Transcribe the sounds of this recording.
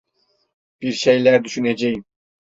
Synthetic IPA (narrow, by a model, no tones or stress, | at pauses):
b̥iɾʃejlʲæɾd̪yʃyned͡ʒejim